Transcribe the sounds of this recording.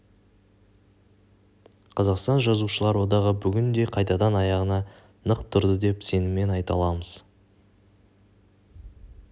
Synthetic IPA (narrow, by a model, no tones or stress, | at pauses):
qʰɑzɑqst̪ɑnʒɑzuʃəlˠɑɾwo̞d̪ɑʁəbʏɡʲɪnd̪e̞qʰɑjt̪ɑd̪ɑnɑjɑʁənɑ | nəqt̪ʰʊɾd̪əd̪e̞pse̞nɪme̞nɑjt̪ɑ̰lˠɑməz̥